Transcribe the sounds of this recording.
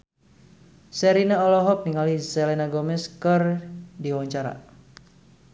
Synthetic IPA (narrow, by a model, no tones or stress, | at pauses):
sɛɾinaɔlɔɦɔp̚niŋalisɛlɛnaɡɔmɛskərdiwaɲt͡ʃaɾa̰